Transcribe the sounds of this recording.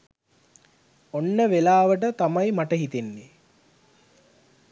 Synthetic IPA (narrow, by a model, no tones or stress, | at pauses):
onːəʋelaːʋəʈ̬ət̪amajmaʈəɦit̪enːe